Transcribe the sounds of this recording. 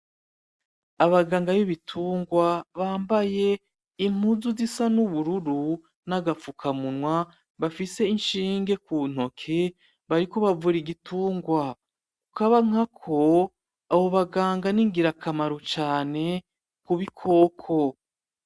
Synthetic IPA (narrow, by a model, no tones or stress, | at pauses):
aβaɡaːŋɡaβiβitʰuːŋɡwaβaːmbaje̞ | im̥uzuzisanuβuɾuɾu | naɡafukʰamunŋwa | βafise̞inʃiːŋɡe̞kuːn̥o̞kʰe̞ | βaɾiko̞βavuɾiɡituːŋɡwa | kukaβaŋ̥akʰo̞ | aβo̞βaɡaːŋɡaniŋɡiɾakʰamaɾut͡ʃaːne̞ | kuβikʰo̞ːkʰo̞